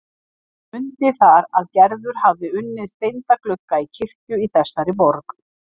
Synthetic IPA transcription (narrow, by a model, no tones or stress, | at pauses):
ʏnt̪ɪθaɾaðcɛɾðʏɾ̥havðɪʏnːɪðst̪ejnt̪aklʏkːaicʰɪr̥cʏiθɛsːaɾɪpɔɾk